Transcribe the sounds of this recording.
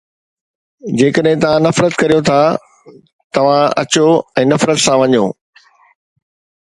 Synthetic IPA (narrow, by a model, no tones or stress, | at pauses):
d͡ʑeːkəɗɦɪ̃t̪ɐʋ̤ãnɐfɾət̪kɐɾijot̪ʰa | t̪ɐʋ̤ãɐ̰t͡ɕoɛ̃ːnɐfɾət̪sãʋɐɲo̰ː